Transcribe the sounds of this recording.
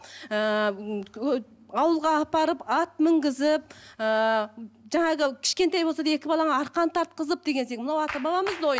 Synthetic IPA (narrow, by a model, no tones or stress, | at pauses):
ə | ɑwəlˠʁɑːpɑɾəpɑt̪̚mɪŋɡʲɪzɪp̚ə | ʒɑɴɑʁəkʲʰɪ̥ʃkʲet̪ɑjbolsɑd̪ɑe̞kʲɪbɑlˠɑɴɑɑɾqɑnt̪ʰɑɾt̪̚qəzəp̚d̪e̞ɡʲe̞nse̞kmənɑwɑt̪ɑbɑlˠɑməzd̪oj